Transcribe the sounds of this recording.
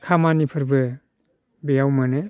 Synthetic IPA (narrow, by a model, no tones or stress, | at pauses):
kʰamanipʰɯɾbɯ | bejawmanɯ